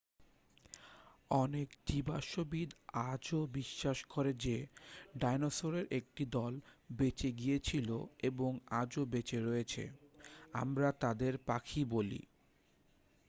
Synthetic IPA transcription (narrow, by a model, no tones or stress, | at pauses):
ɔnekt̪ibaʃobid̪ad͡ʑobiʃːaʃkoɾed͡ʑeɖajnosoɾeɾʔek̚ʈid̪ɔlbet͡ɕeɡijet͡ɕʰilo̰eboŋad͡ʑobet͡ɕeɾɔet͡ɕʰḛa̰mɾat̪ad̪eɾpakʰibolḭ